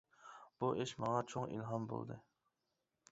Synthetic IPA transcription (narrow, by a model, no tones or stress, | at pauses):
b̥uʔeʃmɑŋɑt͡ʃʰoŋḭlɦɑnbo̰lˠd̪ɨ